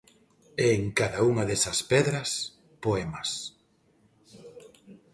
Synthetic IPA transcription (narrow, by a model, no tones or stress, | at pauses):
eːŋkaðauŋaðesɐspɛðɾɐs | poɛmɐs